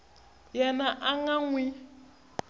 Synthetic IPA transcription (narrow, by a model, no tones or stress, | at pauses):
jɛnaʔaŋaŋwi